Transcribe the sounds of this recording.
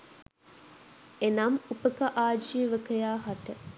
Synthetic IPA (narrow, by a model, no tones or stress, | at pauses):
enamupəkəʔaːd͡ʒiːʋəkəjaːɦaʈə